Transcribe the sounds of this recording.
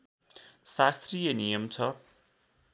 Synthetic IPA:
sast̪rijenijʌmt͡sʰʌ

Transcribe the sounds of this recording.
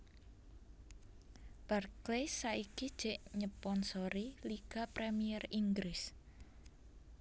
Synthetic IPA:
b̥arklesaiɡid̥ʒ̥ɛ̤ʔɲəpɔnsoɾiliɡ̥a̤pɾemijɛriŋɡɾɪs

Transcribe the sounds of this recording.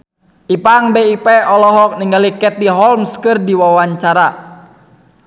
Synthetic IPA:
ʔipaŋbeipɛʔɔlɔɦɔk̚niŋɡalikɛt̪iɦɔlmskɨrdiwawaɲt͡ʃaɾa

